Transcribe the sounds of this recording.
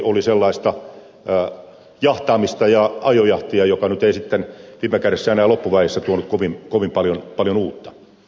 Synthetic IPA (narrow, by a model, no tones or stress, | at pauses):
oliselːɑist̪ɑ | jɑht̪ɑːmist̪ɑjɑɑjojɑht̪iɑjokɑnyt̪eisit̪ːenʋiːmːekæresːæenæːlopːuʋæisːæt̪uonut̪koʋinkoʋimpɑljonpɑljonuːt̪ːɑ̥